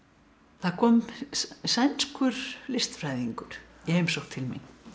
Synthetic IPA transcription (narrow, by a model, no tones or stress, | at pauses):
θaɾkʰɔːmsajnskʏɾ̥lɪst̪fɾaːjðiŋkʏɾ̥jɛhejmsowxt̪ʰɪlmḭn